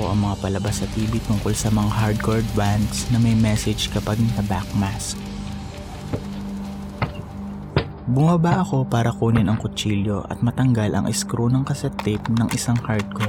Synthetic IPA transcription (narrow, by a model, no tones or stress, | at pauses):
oʔɐŋmɐŋapɐlɐbasɐt̪iːbɪt̪ʊŋko̞lsɐmɐŋahaɹd̪̚koɹd̪̚band̪snɐmɐjmɛsɛd͡ʒkɐpaɡ̚nɐbak̚mask̚ | bʊmɐbaʔɐko̞paːɾɐkuːnɪnɐŋkʊt͡ʃiːljo̞ʔɐ̰t̪̚mɐt̪ɐŋɡalʔɐ̰ŋʔɪskɾonɐŋkɐsɛt̪ːɪt̪nɐŋʔɪsaŋhaɹd̪̚ko